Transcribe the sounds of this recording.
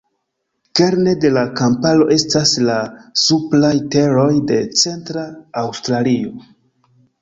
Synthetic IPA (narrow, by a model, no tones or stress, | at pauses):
ke̞ɾne̞de̞lakampalo̞ʔe̞staslasuplajte̞ɾo̞jde̞t͡se̞ntɾaːwstɾalio̞